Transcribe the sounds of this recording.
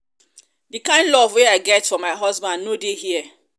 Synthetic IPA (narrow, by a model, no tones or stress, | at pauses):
dikãɪ̃ndlɔvweaɪɡɛtfɔ̃maɪɦɔzbãnnodehiɛ